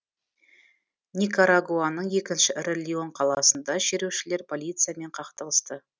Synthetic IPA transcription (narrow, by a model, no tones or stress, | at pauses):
nʲikaɾaɡuanəɴje̞kʲɪnʃɪrelʲio̞ɴqʰɑlˠɑ̰sənd̪ɑʃeɾewʃɪle̞ɾpʰo̞lʲijt̪sɨjame̞ɴqʰɑqt̪əlˠəst̪ə